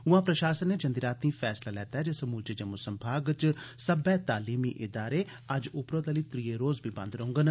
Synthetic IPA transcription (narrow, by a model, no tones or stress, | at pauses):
ʊãːpɾəʃaːsənːeːd͡ʒənd̪iːɾaːt̪nĩːfʰɛːslaːlɛːt̪aɦɛːd͡ʒeːsəmuːlt͡ʃed͡ʒəmosəmbʱaːɡt͡ʃsəbɛːt̪aːliːmiːʔɪd̪aːɾeː | ɐd͡ʒʊpɾoːd̪eːliːt̪ɾiːeːɾoːzbʱiːbɐ̰̃nd̪ɾəɦʊ̃ŋɡən